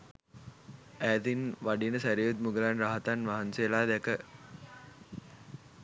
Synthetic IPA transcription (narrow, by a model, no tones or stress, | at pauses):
æːd̪inʋaɖinəsæɾijut̪muɡəlanɾaɦat̪anʋaɦanseːlaːd̪ækə